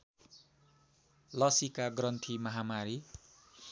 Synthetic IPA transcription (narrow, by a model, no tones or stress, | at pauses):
lʌsikaɡrʌnt̪ʰimʌɦamaɾi